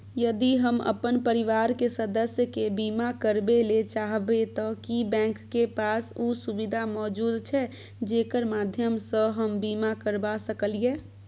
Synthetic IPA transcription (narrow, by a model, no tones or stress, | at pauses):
jəd̪iɦəmə̰pənpəɾiʋaɾkesəd̪əsjəkebimakəɾbelet͡ʃaɦbet̪ɔkibɛ̃ŋkːepasusubid̪ʱamɔd͡ʒud̪t͡ʃʰɛ | d͡ʒekəɾmad̪ʱjəmsə̃ɦəmbimakəɾbasəkəlije